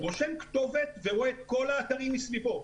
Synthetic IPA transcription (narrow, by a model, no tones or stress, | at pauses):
ʁoʃemkt̪o̞vet̪veʁoet̪ko̞laːt̪aʁimːisvipo̞